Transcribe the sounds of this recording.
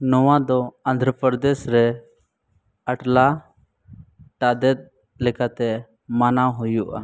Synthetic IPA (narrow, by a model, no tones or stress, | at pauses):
nɔwad̪ɔãnd̪ʱɾəpɾəd̪ɛsɾɛ | əʈla | ʈad̪ɛt̪̚ | lɛkat̪ɛ | manaɦujuʔa̰